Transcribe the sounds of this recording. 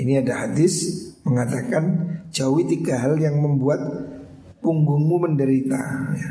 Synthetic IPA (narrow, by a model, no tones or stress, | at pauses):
iniadahadɪsməŋat̪akand͡ʒawit̪iɡaɦaljaŋməmbuat̪̚ | puŋɡuŋmuməndəɾit̪a̰ja